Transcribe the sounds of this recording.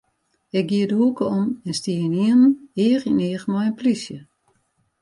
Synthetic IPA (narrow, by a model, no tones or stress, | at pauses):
ɪk̚ɡiədəhukəɔmɛnstiəəniənəneːəxineːxmɔjənplisjə